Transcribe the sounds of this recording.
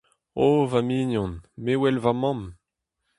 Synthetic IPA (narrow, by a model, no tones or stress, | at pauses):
ovaminjɔ̃nmewɛlvamɑ̃m